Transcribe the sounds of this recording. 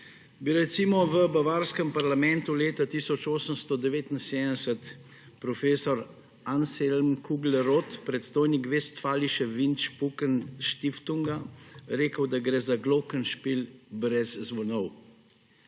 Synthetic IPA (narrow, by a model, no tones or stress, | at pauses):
biɾɛt̪simɔʋəbaʋaːɾskəmpaɾlamɛ̃nt̪uleːt̪at̪isɔt͡ʃoːsəmst̪ɔd̪ɛʋeːt̪inseːd̪d̪ɛsət̪ | pɾɔfeːsɔɾ | anselmkuɡlɛɾot̪pɾɛt̪st̪oːjnikʋeːst̪faːliʃɛʋint͡ʃpukənʃt̪ift̪uŋɡaɾeːkəwd̪aɡɾɛːzaɡlɔkənʃpilbɾɛzzʋɔnɔw